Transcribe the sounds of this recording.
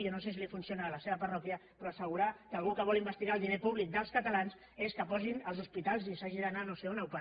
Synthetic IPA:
onos̬es̬ilifunsionaːləseβəpərɔkjəpɾɔəsəɣ̞uɾakəːlˠɣukəβ̞ɔlimbəst̪iɣalˠd̪inepuβlik̚d̪əlˠskət̪əlans | eskəpɔzinəlˠzuspit̪alˠzisaʒiðənanoseunawpə

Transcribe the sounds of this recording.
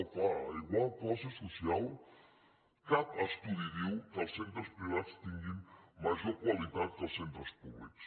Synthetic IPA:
faiɣwalklasesosjal | kat̪ast̪uðiðiwkasent̪ɾospɾiβat̪st̪iŋɡinmaʒoɾkwaliðat̪k̪asẽnt̪ɾospuβlḭks

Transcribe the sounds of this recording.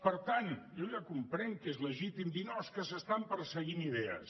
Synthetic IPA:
pəɾt̪anjojakumpɾɛŋkezləʒit̪imd̪inɔskəsəst̪ampəɾsəɣiniðɛə̰s

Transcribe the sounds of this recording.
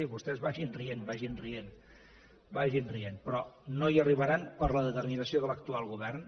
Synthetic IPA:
iβust̪ɛzβaʒinrienbaʒinrien | baʒinrienpɾɔnojəriβ̞əɾanpəɾləðət̪əɾminəsioðələkt̪ualˠɣuβɛrn

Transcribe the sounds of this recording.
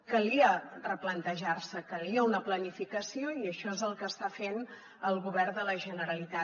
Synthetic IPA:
kəliərəplənt̪əʒarsəkəliəunəplənifikəsioiəʃɔezəlˠkəːst̪afen | əlˠɣuβɛrd̪ələʒənəɾəlit̪a

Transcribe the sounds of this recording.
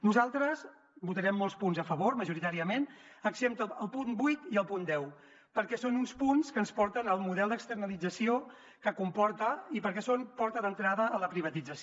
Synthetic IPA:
nuzalˠt̪ɾəs | but̪əɾɛmːolˠspunzəfəβoɾməʒuɾit̪aɾiəmen | əɡzemt̪əːlˠpunbujt̪iəlˠpund̪ɛw | pəɾkɛsonunspunskənspɔɾt̪ənəlˠmuðɛlˠd̪əkst̪əɾnəlid͡zəsio | kəkumpɔɾt̪əipəɾkɛsonpɔɾt̪əðənt̪ɾaðəːləpɾiβ̞ət̪id͡zəs

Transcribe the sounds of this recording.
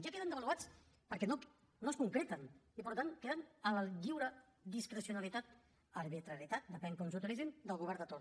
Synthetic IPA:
ʒakeðənd̪əβəluat͡s | pəɾkɛno | noskuŋkɾɛt̪ənipəɾt̪aŋkeðənələʎiwɾə | ðiskɾəsiunəlit̪at̪̚ | əɾβit̪ɾəɾjit̪at̪̚d̪əpɛŋkɔnsut̪ilizind̪əlˠɣuβɛɾnd̪ət̪oɾ

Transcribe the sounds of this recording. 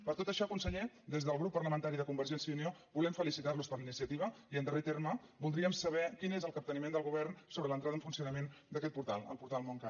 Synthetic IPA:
pəɾt̪ot̪əʃɔkunsəʎe | d̪ezðəlˠɣɾupːərləmənt̪aɾiðəkumbəɾʒɛnsjəuniobulɛmfəlisit̪arluspəɾlinisiət̪iβ̞əiənd̪əret̪erməbulˠd̪ɾiəmsəβɛkinezəlˠkəp̚t̪ənimend̪əlˠɣuβɛrnsoβɾələnt̪ɾaðəɱfunsiunəmend̪əkɛt̪̚puɾt̪alˠə̰lˠpuɾt̪alˠmoŋka

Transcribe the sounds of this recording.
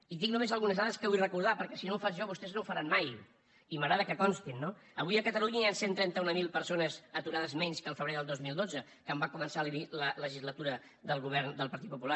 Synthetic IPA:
id̪iknumezəlˠɣunəzðaðəskəβuirəkuɾð̞apəɾkɛsinowfaʒɔβust̪ɛznowfəɾanmaj | iməɣɾaðəkəkɔnst̪inːoəβujəkət̪əluɲəijansent̪ɾɛnt̪əunəmilˠpəɾsonəzət̪uɾaðəzmɛɲskəlˠfəβɾeðəlˠozmilˠd̪od͡zə | kəmbakumənsalilələʒizlət̪uɾə | ðəlˠɣuβ̞ɛɾnd̪əlˠpəɾt̪it̪̚pupula

